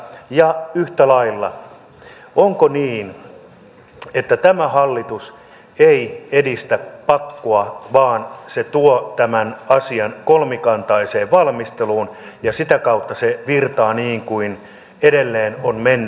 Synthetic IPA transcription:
jɑyht̪ælɑilːɑ̰ | oŋkoniːn | et̪ːæt̪æmæhɑlːit̪us | eiedist̪æpɑkːoɑʋɑːnset̪uot̪æmænɑsiɑnkolmikɑnt̪ɑiseːʋʋɑlmist̪eluːn | jɑsit̪ækɑut̪ːɑseʋirt̪ɑːniːŋkuin | edelːeːnonmenː

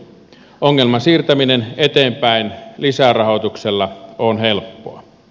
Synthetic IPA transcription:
oŋːelmɑsiːrt̪æminenet̪eːmpæinlisærɑhot̪ukselːɑonhelpːo̰ɑ

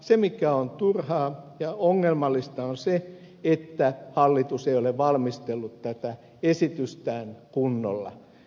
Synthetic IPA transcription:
semikæont̪urhɑːjɑoŋːelmɑlːist̪ɑonse | et̪ːæhɑlːit̪useioleʋʋɑlmist̪elːut̪tæt̪æ | esit̪yst̪æːnkunːo̰lːɑ̰

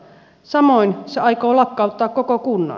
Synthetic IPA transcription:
sɑmoinseɑikoːlɑkːɑˑut̪ːɑːkkokokunːɑ̰

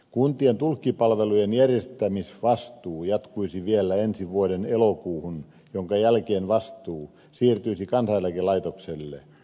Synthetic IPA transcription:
kunt̪ient̪ulkːipɑlʋelujenjærjest̪æmisʋɑst̪uːjɑt̪kuisiʋielːæensiʋuodenelokuːhun | joŋkɑjælkeːnʋɑst̪uː | siːrt̪yisikɑnsɑjjælkelɑit̪okselːḛ

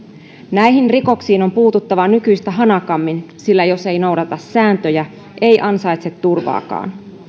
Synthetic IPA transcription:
næjɦinriko̞ksiːno̞mpuːt̪ut̪ːɑʋɑnykyjst̪æɦɑnɑkɑmːinsilːæjo̞se̞jno̞wdɑt̪ɑsːæːnt̪øjæ | ʔejʔɑnsɑjt̪set̪ːurʋɑ̰ːkɑ̰ːn

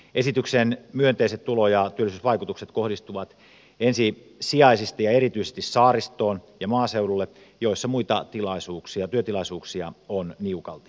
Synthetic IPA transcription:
ʔesit̪yksenmyønt̪eiset̪ulojɑt̪yølːˑisyːsʋɑikut̪ukset̪kohdist̪uʋɑt̪ | ensi | siɑisist̪ɑjɑeɾit̪yisest̪issɑːrist̪oːnjɑmɑːseululːe | joisːɑmuit̪ɑt̪ilɑisuːksiɑt̪yøt̪ilɑisuːksiɑonniukɑlt̪i̥

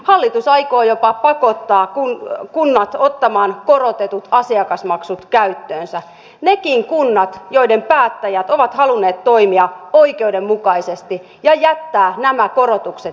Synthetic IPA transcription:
hɑlːit̪usɑikoːjopɑpɑkot̪ːɑːkukunːɑt̪ot̪ːɑmɑːnkorot̪et̪ut̪ɑsiɑkɑsmɑksut̪kæyt̪ːøːnsæ | nekiŋkunːɑt̪joidempæːt̪ːæjæt̪oʋɑt̪hɑlunːeːt̪to̞imiɑoikeudemmukɑisest̪i | jɑjæt̪ːæːnæmækorot̪ukset̪

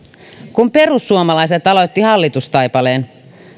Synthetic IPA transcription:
kumpe̞rusːuomɑlɑjs̬et̪ɑlo̞t̪ːihɑlːit̪ust̪ɑjpɑle̞ːn

